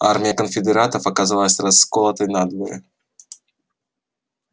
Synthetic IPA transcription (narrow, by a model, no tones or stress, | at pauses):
armʲijəkənfʲɪd̪ɛɾat̪ɐfɐkazavalˠɐsʲrɐsːkolˠɐt̪əjnad̪vɔɾɨ̰